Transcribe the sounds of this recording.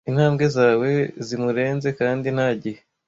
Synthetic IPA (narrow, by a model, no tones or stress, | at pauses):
in̥haːmɡe̞zaːwe̞zimuɾe̞ːnze̞kaːndin̥haɟihe